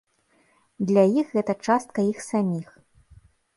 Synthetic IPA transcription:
d̪lʲajixɣɛt̪ɐt͡ʂast̪̚kɐjixsamʲix

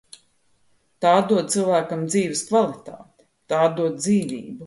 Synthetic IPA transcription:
t̪aːd̪uɔt̪̚silˠvæːkamd̪ziːʋɪskvalˠit̪a̰ːt̪e̥ | t̪aːd̪uɔt̪̚d̪ziːvḭːbu

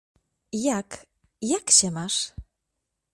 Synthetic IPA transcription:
jak | jakɕɛmaʂ

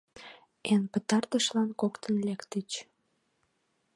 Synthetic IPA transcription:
enpət̪ɑrt̪əʃlɑnkokt̪ənlekt̪ət͡ɕ

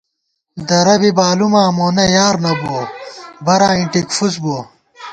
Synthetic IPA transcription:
d̪ɐɾɐbibaːlumãːmoːnɐjaːɾnɐboːbɐɾaːiɳʈikfusboː

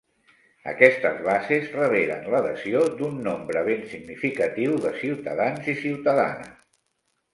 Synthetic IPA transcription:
ə̰kɛst̪əzβazezrəβ̞eɾə̰nləðəziod̪unːombɾəβ̞ensiɡnifikət̪iwðəsiwt̪əðanzisiwt̪əða̰nə̰

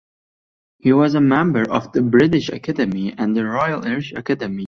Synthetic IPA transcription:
hiwʌzəmɛ̃mbə˞ʔʌvðɨbɹɪɾɪʃɨ̰kʰædɨmiɨ̃nðɨɹɔɪəlˠɛɹɨʃɨ̰kʰædɨmi

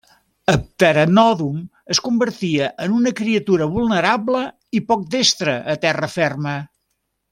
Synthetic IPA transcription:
əp̚t̪əɾənɔðum | əskumbəɾt̪iəʔənunəkɾiət̪uɾəβulˠnəɾablə | ipɔk̚d̪est̪ɾəʔːt̪ɛrəfɛrmə

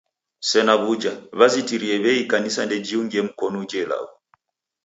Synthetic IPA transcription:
sɛnaβud͡ʒaβazitiɾiɛβɛikanisandɛd͡ʒiuŋɡiɛm̩kɔnɔd͡ʒɛla̰u

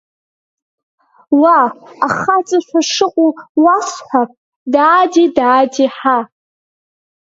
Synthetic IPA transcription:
waaχat͡sʼaʃʷᶣʰaʂɨqʷʼuwasħʷap̚ʼ | daːdidaːdiħa

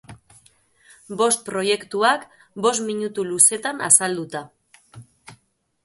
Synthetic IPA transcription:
bo̞st̪̚pɾo̞je̞kt̪uak | bo̞smiɲut̪uluse̞t̪ana̰sald̪ut̪a

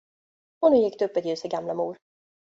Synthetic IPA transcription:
ɔnʉ̟ːjɪkːd̪ɵɵpːɛt̪jʉ̟ːsɛɡamlamuːɾ

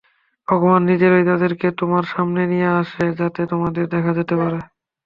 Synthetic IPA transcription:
bʱɔɡomanːid͡ʑeɾojt̪ad̪eɾket̪omaɾʃamnenijeaʃed͡ʑat̪et̪omad̪eɾd̪ɛkʰad͡ʑet̪epaɾe

